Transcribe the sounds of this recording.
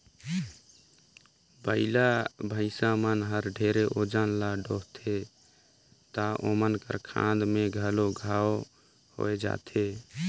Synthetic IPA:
bəɪlabʱə̃ɪsamənɦəɾɖʱeɾeʔod͡ʒənlaɖoɦt̪ʰe | t̪aʔomənkə̰ɾkʰã̰d̪mẽɡʱəloɡʱao | ho̰ed͡ʒa̰t̪ʰe

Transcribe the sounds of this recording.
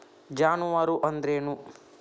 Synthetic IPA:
d͡ʒaːnuʋaːɾuʔɐnd̪ɾeːnu

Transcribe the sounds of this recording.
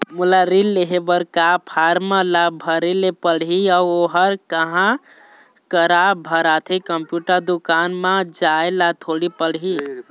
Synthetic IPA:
mulaɾilːeɦebəɾkapʰaɾmalabʱəɾelepəɽɦiaoɦəɾkəɦã | kəɾabʱəɾat̪ʰikəmpjuʈəɾd̪ukanmãd͡ʒaelat̪ʰoɽipəɽ̤ɦi

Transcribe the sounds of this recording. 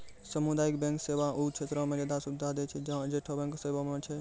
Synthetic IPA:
sɐmud̪aːɪkbɛ̃ːŋkseʋaʔut͡ʃʰeːt̪ɾõmẽd͡ʒed̪asʊd̪ʱaːd̪et͡ʃʰed͡ʒãd͡ʒeːʈʰobɛ̃ŋkseːʋamẽt͡ʃʰe

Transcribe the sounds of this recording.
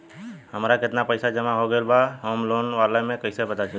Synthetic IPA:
ɦəmɾakɪt̪napəjsad͡ʒəmãɦoɡəelbaɦoːmloːnʋalamẽkəɪsebəd̪at͡ʃʰe

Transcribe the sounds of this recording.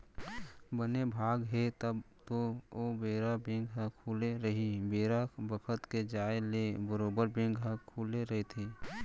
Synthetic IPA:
bənebʱaːɡɦet̪əbt̪oobeːɾabẽːŋɡɦãkʰuːleɾɐɦibeːɾabəkʰət̪ked͡ʒaːelebəɾoːbəɾbẽːŋɡɦãkʰuːleɾɐɦet̪ʰeː

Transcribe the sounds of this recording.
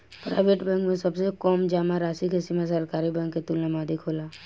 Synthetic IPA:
pɾa̰ːɪʋeʈbɛ̃ŋkmẽsɐbsekɔːmd͡ʒaːmaɾaːsikʰesimãs̬əɾkaːɾibɛ̃ːŋkːet̪ulnamaːd̪ikʰolaː

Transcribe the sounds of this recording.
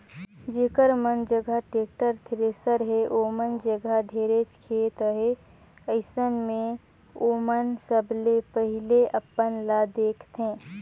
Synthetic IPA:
d͡ʒeːkəɾmənd͡ʒəɡʱaʈeːk̚ʈəɾt̪ʰɾeːsəɾɦeʔoːmənd͡ʒəɡʱaɖʱeːɾet͡ʃkʰeːt̪ɦe | əɪsənmẽ | oːmənsəblepəɦɪleʔəpːənlad̪eːkʰt̪ẽː

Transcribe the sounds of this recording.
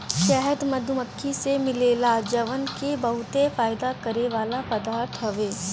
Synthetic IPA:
ʃɛɦɛd̪mɐd̪ʱʊməkʰːisemɪleːlad͡ʒɐʋənkebɐɦʊt̪efaːɪd̪akɐɾeʋaːlapɐd̪aːɾt̪ʰɦɐʋeː

